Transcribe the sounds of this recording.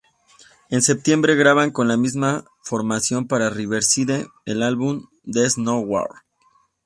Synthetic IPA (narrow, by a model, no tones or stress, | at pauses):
e̞nse̞p̚t̪je̞mbɾe̞ɣɾaβaŋko̞nlamizma | fo̞ɾmasjo̞mpaɾariβeɾsiðeː | lalβum | d̪e̞znowa̰ɾ